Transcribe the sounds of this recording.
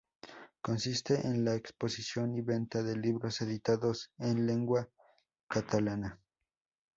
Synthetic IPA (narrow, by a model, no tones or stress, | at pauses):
konsist̪eʔenlaeksposisjoniβent̪aðeliβɾoseðit̪aðosenleŋɡwa | kat̪alana